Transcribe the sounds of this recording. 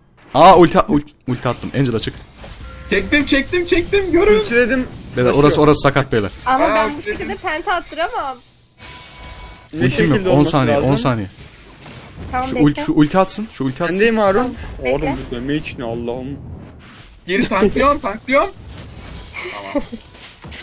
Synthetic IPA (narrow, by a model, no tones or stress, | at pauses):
aulʲt̪ʰʔulʲt̪ulʲt̪ʰiat̪ʰːɯmɛ̰nd͡ʒed̪at͡ʃʰɯk̪t͡ʃʰɛk̚t̪imt͡ʃʰɛc̚t̪imt͡ʃʰɛc̚t̪imɟøɾyt̪ɾed̪imbed̪ɛoɾaso̞ɾasɯ̥sakat̪̚bejlˠaɾamaæud̪ɛpʰænt̪ʰat̪ʰːɯɾamam | ulʲt̪ʰimijonsaːnejɛɛʔonsaːnejɛ | ʃlʲʃuʔulʲt̪ʰiat̪sɯnʃuːlʲt̪ʰiand̪ejimaɾunaɾubud̪ømejit͡ʃʰinalˠːaːhɯm | ɟeɾit̪ʰaŋlˠijomt̪ʰaŋklˠijoɾm